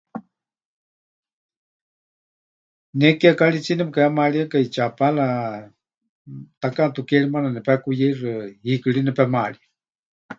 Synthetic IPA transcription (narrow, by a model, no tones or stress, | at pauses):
nɛkiakaɺit͡sinɛpkaamaɺiakait͡ʃapala | t̪akaʔt̪ukɛɺimananɛpɛkujɛrɨhikɨɺinɛpɛmaɺia